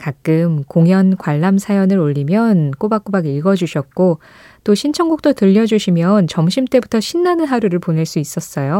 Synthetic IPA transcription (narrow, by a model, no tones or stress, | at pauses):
kak̚k͈ɯmkoŋjʌnkwaɭːamsʰajʌnɯɾoʎːimjʌnk͈obak͈obaɡiɭɡʌd͡ʑuɕʰʌt̚k͈o | t͈oɕʰint͡ɕʰʌŋɡuk̚t͈otɯʎːʌd͡ʑuɕʰimjʌnt͡ɕʌmɕʰimt͈e̞butʰʌɕʰinːanɯnɦaɾuɾɯɭpone̞ɭs͈uis͈ʌs͈ʌjo